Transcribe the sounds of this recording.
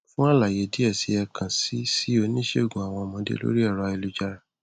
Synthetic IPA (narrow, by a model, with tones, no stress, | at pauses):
fũ˦a˦˨la˨je˨˦di˦ɛ˦˨si˨˧˦ɛ˧kʰã˨si˨˦si˦o˧nĩ˦ʃe˦o˦˨ɡũ˨a˨w̃ɔ̃˧mɔ̃˨˦dḛ˦lo̰˦ɾi˦ɛ˦˨ɾɔ˧i˧lu˧d͡ʒa˦˧ɾa˨